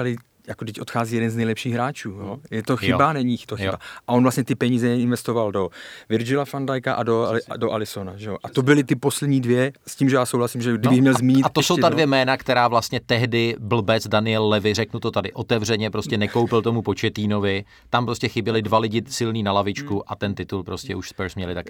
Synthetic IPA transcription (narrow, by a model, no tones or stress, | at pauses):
alɪ | jakodɪcʔo̞t̪xaːziːjɛdɛnznɛjlɛpʃiːɣɦɾaːt͡ʃuːjojɛt̪oxɪbanɛɲit̪oxɪbaʔaʔo̞nvlast̪ɲɛt̪ɪpɛɲiːzɛɛɪnvɛst̪ovaldo̞vɪɾd͡ʒɪlafandajkaʔadodoʔalɪsonaʒɛjoʔat̪obɪlɪt̪ɪpo̞slɛdɲiːdvjɛsciːmʒɛjaːsowlasimʒɛɡdɪbɪxmɲɛlzmiːɲɲɪat̪osowt̪advjɛmɛːnakt̪ɛɾaːvlast̪ɲɛt̪ɛɦdɪbl̩bɛt͡sdanɪjɛlːɛvɪr̝ɛknut̪o̞t̪adɪʔo̞t̪ɛvr̝ɛɲɛpɾo̞scɛnɛkowpɪlt̪o̞mupo̞t͡ʃɛt̪iːno̞vɪ | t̪ampɾoscɛxɪbjɛlɪdvalɪɟɪsɪlniːnalavɪt͡ʃkuʔʔat̪ɛnt̪ɪt̪ulpɾo̞scɛuʃspɛɾsmɲɛlɪt̪ak